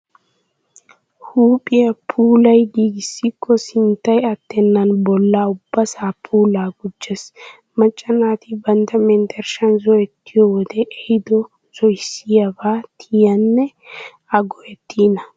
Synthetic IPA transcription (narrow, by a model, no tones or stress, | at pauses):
huːpʼɪjɐpʰuːlɐjɡiːɡɪsːɪkʰːɔsɪnt̪ːɐjɐt̪ːɛnːɐnbɔlːaːʊbːɐsaːpʰuːlaːɡʊd͡ʒːɛs | mɐt͡ʃʼːɐnaːt̪ɪbɐnt̪ɐmɛnt̪ɛɾʃɐnzɔjɛt̪ːɪjɔwɔd̪ɛʔɛhɪd̪ɔ | z̥ɔɪsːɪjabaːt̪ʰɪjɐnːɛ | ɐɡɔʔɛt̪ʰːiːnɐ